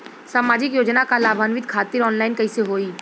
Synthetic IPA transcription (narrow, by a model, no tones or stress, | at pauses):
saːmaːd͡ʒɪkjoːd͡ʒnakalaːbʱaːnʋɪd̪kʰaːt̪ɪɾɔːnlaːɪnkɐiseɦoːiː